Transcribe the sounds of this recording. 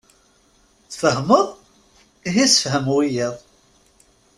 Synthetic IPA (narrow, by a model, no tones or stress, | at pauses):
θfəhməðˤ | iɦisəfhəmwijiðˤ